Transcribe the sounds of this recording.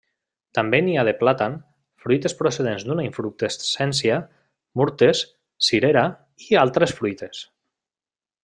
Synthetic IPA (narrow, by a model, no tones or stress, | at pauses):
t̪ambeniað̞eplat̪an | fɾujt̪espɾoseð̞enzd̪unaiɱfɾuk̚t̪essɛnsia | muɾt̪es | siɾeɾa | ialˠt̪ɾesfɾujt̪es